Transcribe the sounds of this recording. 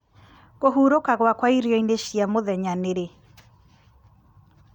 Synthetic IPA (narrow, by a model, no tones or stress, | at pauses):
ɣoɦuːɾokaɣwakwaiɾjɔineɕiamoðɛɲaneɾe